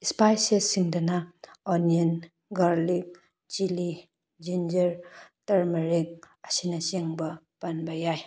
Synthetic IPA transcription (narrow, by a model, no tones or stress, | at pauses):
ispajsesiŋdɐnaonien | ɡaɾlik̚ | d͡ʒili | d͡ʒind͡ʒɐɾtɐɾmɐɾik̚ | ɐsinɐseŋbɐpɐnbajaj